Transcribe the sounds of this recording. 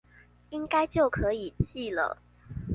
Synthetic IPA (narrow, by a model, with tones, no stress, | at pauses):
i˦ŋka˥ɪt͡ɕjo˥˩ʊkʰɤ˨˦i˨˩t͡ɕi˥˩lə̰˩